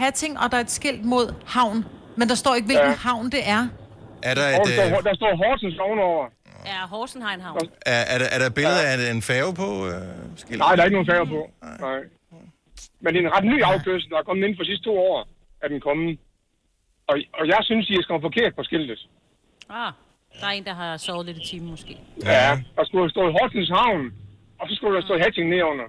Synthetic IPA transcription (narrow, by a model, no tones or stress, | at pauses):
hæt͡sʰe̝ŋ̰ɒ̽d̥ɑ̈æɐd̥sɡ̥el̰d̥mo̝ð̞̰ˠhɑ̈ʊ̰n | mend̥ɑ̈sd̥ɒ̰ːe̝ɡ̥ʋe̝lɡ̥n̩hɑ̈ʊ̰nd̥e̝ʔæɐ | ʔæɐd̥ɑɔd̥ɑ̈sd̥ɔ̰ːɦɒːd̥sɒmsɒʊnɒʊ̰ɐ | ɦɒːsn̩ɦɑ̈enɦɑʊæɐæɐɾʔːɐɾ̥ɑ̈b̥eləð̩ˠæenfɛːʊpʰɒøsɡ̥el̰nɑ̈ɪ̰dɑeɡənoːn̩fɛːʊpʰɔ̽ɑɪ̰ | mend̥e̝enʁɑ̈d̥ny̰ːɑ̈ʊkʰøs̩d̥ɑ̈hɑkʰɒ̽mð̩e̝n̩fɒd̥isisd̥t͡sʰo̝̰ːɒ̰ː | æɐd̥en̩kʰɒ̽m̩ | ɒ̽ɒ̽jɑ̈ɪsynsd̥isɡ̥æmæfɒ̽kʰe̝ɐ̰d̥̚pʰɒ̽sɡ̥el̰did̥ | d̥aeːnd̥ɑ̈ɦɑsɔːð̩ˠledit͡sʰiːmmɔsɡ̥e̝̰ːjæd̥ɑ̈sɡ̥usd̥ɔ̰ːɦɒːsn̩s̬hɑ̈ʊ̰n | ɒ̽sɒ̽sɡ̥udensd̥ɔ̰ːhæt͡sʰeŋnːeɐɔ̽n̰ɐ